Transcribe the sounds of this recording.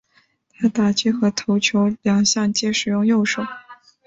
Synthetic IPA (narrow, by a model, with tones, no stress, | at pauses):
t̪ʰa˥t̪a˨˩t͡ɕi˥xɤ˧˥t̪ʰo˧˥ʊt͡ɕʰjo˧˥ʊljɑ˨˩ŋɕjɑ˥˩ŋt͡ɕjɛ˥ʂɻ̩˨˩jʊ˥˧ŋjo˥˩ʊʂo˨˩˦ʊ